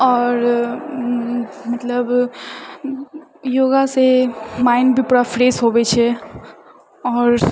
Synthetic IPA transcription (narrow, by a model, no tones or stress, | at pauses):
ɔːɾ | mət̪ləb | joːɡasemaːɪnbʱipuɽafɾeːsɦobet͡ʃʰɛ | ɔːɾ